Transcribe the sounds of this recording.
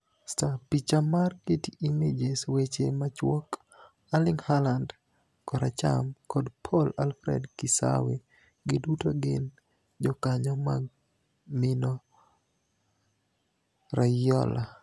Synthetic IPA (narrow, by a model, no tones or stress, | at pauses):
stapit͡ʃamarketiʔimed͡ʒeswet͡ʃemat͡ʃwɔk | alɪŋhaland | kɔɾat͡ʃa̰mkɔdpʰɔlalfɾɛ̰dkɪsa̰we | ɡɪdutoɡɪn | d͡ʒɔkaɲɔma̰ɡ | mɪnɔ | ɾajɔ̰la